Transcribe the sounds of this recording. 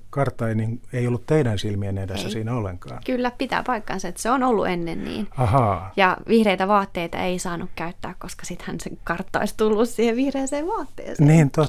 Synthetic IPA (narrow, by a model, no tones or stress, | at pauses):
kɑrt̪ːˑɑiniŋeiolːut̪t̪eidænsilmienedesːæsiːnæolːeŋkɑ̰ːnkylːæpit̪æ̰ːpɑikːɑnsɑet̪seonolːṵʔenːennḭːnɑhɑːjɑʋihreit̪æʋɑːt̪ːeit̪ɑ̰eisɑːnukkæyt̪ːæːkkoskɑ̥sit̪hænseŋkɑrt̪ːɑ̰ist̪ulːussiːheʋihreːseːʋʋɑːt̪ːḛːnsen̰ːniːnt̪o